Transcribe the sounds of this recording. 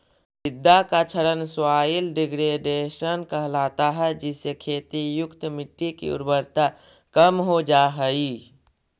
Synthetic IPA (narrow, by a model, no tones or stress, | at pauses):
sɪd̪ːakat͡ʃʰəɾənswaːilɖɪɡɾeɖeːʃənkəɦlaːt̪aɦɛd͡ʒɛːsekʰeːt̪ijʊkt̪mɪʈːikḭʊ̰ɾbəɾt̪akəmɦod͡ʒaːɦəi